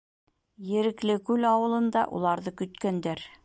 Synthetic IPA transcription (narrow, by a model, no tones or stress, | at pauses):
jɘ̆ɾɘ̆klɘkʉlɑwɤ̆lˠɤ̆nd̪ɑ̰ʔṵlˠɑɾðɤkɵ̆t̪kænd̪æɾ